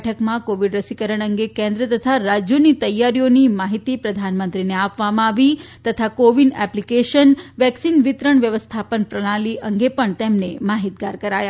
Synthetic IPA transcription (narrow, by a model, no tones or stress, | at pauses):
ʈʰəkmãkoʋiɖɾəsikəɾəɳ̃əŋɡekɛ̃nd̪ɾət̪ət̪ʰaɾad͡ʒjonit̪əjːaɾijonimaɦit̪ipɾəd̪ʱanmənt̪ɾineapʋamãaʋit̪ət̪ʰakoʋiɳɛplikeʃənʋɛksinʋit̪ɾəɳʋjəʋəst̪ʰapənpɾəɽ̃aliʔəŋɡepəɳt̪emnemaɦit̪̚ɡaɾkəɾaja